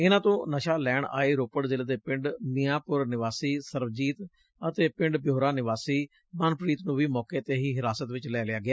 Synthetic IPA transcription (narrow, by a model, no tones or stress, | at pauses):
ɪnãːt̪õːnəʃaːlɛːɳa̰ːeːɾoːpəɽzɪlːd̪eːpɪɳɖmɪjãːpʊɾnɪʋaːsiːsəɾʋd͡ʒiːt̪ | ət̪eːpɪ̃ɳɖbjoːɾaːnɪʋaːsiː | mənpɾiːt̪nũːʋiːmɔːkeːət̪eːɦiːɦɪɾaːsət̪ʋɪt͡ʃlɛːlɪaːɡɪaː